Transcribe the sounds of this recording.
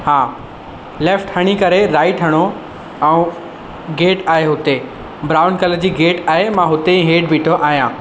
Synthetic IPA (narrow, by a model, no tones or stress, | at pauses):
haː | leːfʈhɐɽ̃ikɐɾeɾaːɪʈɦɐɽ̃o | ɛ̃ː | ɡeːʈaːɦeɦʊt̪e | bɾaːʊnkɐld͡ʑiːɡeːʈaːɦemãɦʊt̪eɛ̃ːɦeːɖbiʈʰoʔaːɦijãː